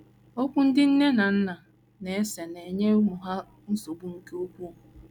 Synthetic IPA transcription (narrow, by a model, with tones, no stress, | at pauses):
o˦kʷu˦n̩˦dɪ˦n̩˦ne˦na˨n̩˦na˨ | ne˨e˦se˨ne˨ɲe˦mu˨ɦa˦ | n̩˦so˨bu˦ŋ̩˦ke˦o˦kʷu˦˨